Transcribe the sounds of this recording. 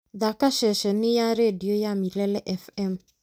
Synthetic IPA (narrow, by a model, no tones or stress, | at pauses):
ðakaʃɛʃɛnɪjaɾediojamilɛlɛʔɛfɛm